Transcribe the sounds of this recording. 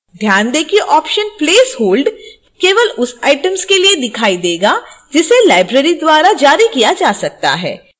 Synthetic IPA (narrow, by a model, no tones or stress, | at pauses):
d̪ʱjaːnd̪eːkʰieʔɔːpʃənpleːshoːlɖ | keːʋəlʊsaːɪʈəmskelied̪ɪkʰaːid̪eːɡad͡ʒɪselaːɪbɾeːɾid̪waːɾad͡ʒaːɾikijad͡ʒaːsɐk̚t̪a̰ɦɛ̰ː